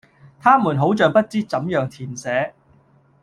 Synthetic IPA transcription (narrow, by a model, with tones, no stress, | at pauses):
t̪ʰaː˥muː˨˩nɦo˨˥wt͡ʃœː˨ŋpɐ˥t̚t͡siː˥t͡sɐ˨˥mjœː˨ŋt̪ʰiː˨˩nsɛː˨˥